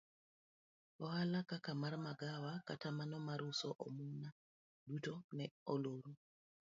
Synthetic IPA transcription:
ɔhalakakamarmaɡawakatamanɔmaɾusɔʔɔmuna | dutonɛoloɾu

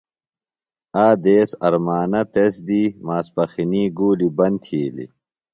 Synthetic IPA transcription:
aːd̪eːsɐɾmaːnɐt̪esd̪imaːspɐxiniːɡuːlibɐnt̪ʰiːlḭ

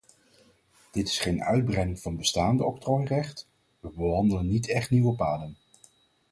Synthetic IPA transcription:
d̥ɪtɪ̥sχejnœ̰ɥd̚brɛjnɪŋv̥ɑnbəstaːndəɔp̚trɔjrɛχt | ʋəbəɦɑndələnːitɛχtniwəpaːdən

